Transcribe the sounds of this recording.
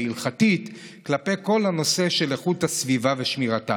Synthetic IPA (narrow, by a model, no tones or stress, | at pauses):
ilχatit | klape̞ko̞lhano̞se̞ʃe̞leχuthasvivaveʃmiʁata